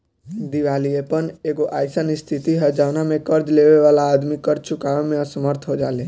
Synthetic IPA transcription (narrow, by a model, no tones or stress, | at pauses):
d̪iʋaliepəɳekoʔajsanist̪ʰit̪iɦəd͡ʒaʋnamẽkəɾd͡ʒleʋeʋalaːd̪mikəɾd͡ʒt͡ʃʰukaʋemẽəsəməɾt̪ʰɦod͡ʒale